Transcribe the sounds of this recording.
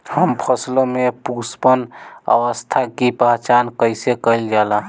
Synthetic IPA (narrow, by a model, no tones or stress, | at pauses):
həmpʰəslomepuspənə̰ʋəst̪ʰakipəɦt͡ʃankəɪsekəɪld͡ʒala